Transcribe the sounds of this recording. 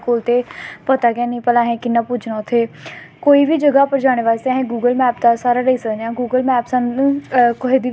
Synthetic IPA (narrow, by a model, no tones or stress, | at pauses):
koːlt̪eːpət̪aːkɛːnəĩːpəlãːɦɛ̃ːkɪnːãːpʊd͡ʒnãːʊt̪ʰːeː | koːiːbiːd͡ʒəɡaːpəɾd͡ʒaːɽ̃eːʋaːst̪eɦɛ̃ːɡuːɡəlmɛːpd̪aːsaːɾaːɾəiːsəkd̪ãːɡuːɡəlmɛːpsə̃nkʊɦed̪iː